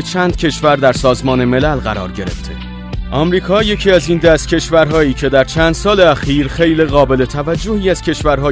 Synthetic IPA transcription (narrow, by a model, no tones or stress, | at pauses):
et͡ʃʰæːnd̪̥̚cʰe̞ʃvæɾd̪æɾsɒːzmɒːne̞me̞lælɣæɾɒ̰ːɾɟe̞ɾḛft̪ʰḛ | ʔɒmɾiːkʰɒːje̞cʰiːæziːnd̪æst̪̚cʲʰe̞ʃvæɾɦɒːjiːcʰe̞d̪æɾt͡ʃʰæːnd̪̥sɒːleæxiːɾxe̞jliɣɒːbe̞le̞t̪ʰævæd͡ʒːohiːæz̥cʰe̞ʃvæɾɦɒː